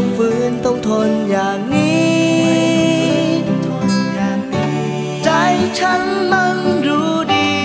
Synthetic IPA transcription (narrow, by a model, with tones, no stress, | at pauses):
ŋ͡mvɨ˧˨nt̪ə˧wŋ͡mt̪ʰo˨˧˩nɲaː˨˩ŋ̚ŋi˧˦˨ | t͡ɕa˧jt͡ɕʰa˧nmə˧nzu˧˥ɗi˧